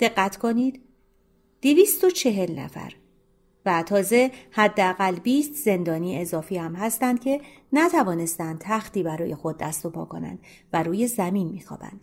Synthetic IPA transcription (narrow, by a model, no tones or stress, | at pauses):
d̪̥e̞ɢːæt̪ʰkʰo̞niːd̪̥ | d̪̥iviːst̪o̞t͡ʃʰe̞ɦe̞lnæ̰fæ̰ɾ | væt̪ʰɒːze̞hæd̪ːeæɣælːbiːst̪ze̞nd̪ɒːniːezɒːfiːhæmhæst̪ænd̪̥̚cʰe̞ | næt̪ʰævɒːne̞st̪ænd̪̚t̪ʰæxt̪iːbæɾɒːje̞xo̞d̪̚ːæst̪o̞pʰɒ̰ːkʰo̞̰næ̰nd̪̥ | væɾuːje̞zæminmiːxɒ̰ːb̥æ̰nd̪̥